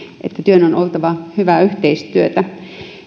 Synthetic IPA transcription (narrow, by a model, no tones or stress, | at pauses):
ʔḛt̪ːæt̪yønonʔolt̪ɑʋɑhyʋæyht̪eist̪yøt̪æ